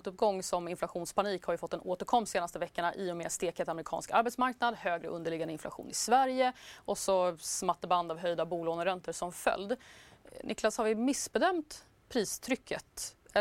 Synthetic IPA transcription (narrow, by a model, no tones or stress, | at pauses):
t̪ɵp̚ɡɔŋːsɔmɪnflaɧuːnspʰaniːkhaɾjɵfɔt̪ːɛnoːt̪əɾkʰɔmːseːnast̪əvɛkːəɳaʔɪːʊmeːst̪eːkʰət̪amɾɪkʰɑ̰nskaɾbɛt̪smaɾknad̪høːɡɾə̰ʔɵ̰nd̪əɭɪɡand̪əɪnfla̰ɧṵːnɪsvæɾjəʔɔsɔsmat̪ːəband̪avɦœjd̪abuːloːɡnəɾɛnt̪əʂɔmfœ̰ld̪nʔɪklashaɾvɪmɪsbɛd̪œmt̪ | pʰɾiːst̪ʰɾʏkʰːət̪